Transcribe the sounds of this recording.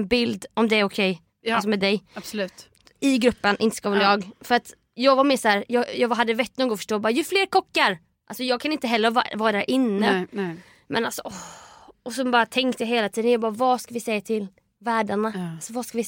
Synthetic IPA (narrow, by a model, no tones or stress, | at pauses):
nbɪld̪ɔmd̪ɛæɾʊkʰɛj | asɔmɛːd̪ɛjslʉːt̪ | ɪɡɾɵpːənʔɪ̰nt̪ə̥skɑvɛljɑːɡfœɾat̪ | jɑːɡvaɾmeːʂhæːɾjɑːjɑːɡɦad̪ːəvɛt̪ːnuːɡɔfœ̥ʂʈoːjbɑːɾajɵfleːɾkʰɔkːaɾ | ʔalsɔjɑːɡ̚kʰanɪnt̪əɦɛlːəɾ̰vɑːɾad̪æːɾʔɪnːəə | mʔɛnalsɔɔɔsɛbɑːɾat̪ʰɛŋkt̪əjaɦeːlat̪ʰiːd̪ənjɑɡbɑːɾavɑskavɪsɛjːat̪ʰɪl | væːɖaɳaasɔvaskavɪ